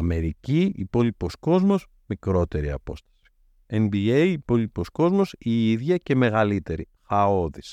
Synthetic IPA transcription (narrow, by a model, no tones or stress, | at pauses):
ɐme̞ɾiciipo̞lipo̞sko̞zmo̞s | mikɾo̞t̪e̞ɾiɐ̰po̞̰st̪ɐ̥si̥ | enbiejːpo̞lipo̞sko̞zmo̞siiðʝɐce̞me̞ɣɐlit̪e̞ɾi | xɐoðis